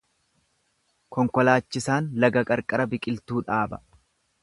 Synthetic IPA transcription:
kɔŋkɔlaːt͡ʃːɪsaːnlɐɡɐkʼɐɾkʼɐɾɐbɪkʼɪlt̪uːᶑaːbɐ

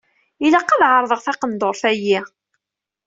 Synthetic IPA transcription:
ilæqːɑðʕəɾˤðˤəʁθɑqənd̪oɾˤθæjːi

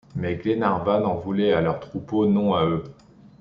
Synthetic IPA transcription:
mɛɡlenaʁvanɑ̃vulɛalœʁt̪χuponɔ̃aø

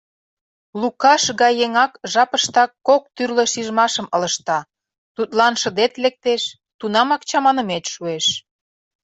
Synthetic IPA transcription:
lukɑʃɣɑjːeŋɑkʒɑpəʃt̪ɑkːok̚t̪yrlə̆ʃiʒmɑʃəmɤ̆lə̆ʃt̪ɑ | t̪ut̪lɑnʃə̆d̪et̪lek̚t̪eʃ | t̪unɑmɑk̚t͡ɕɑmɑnə̆met̪ʃueʃ

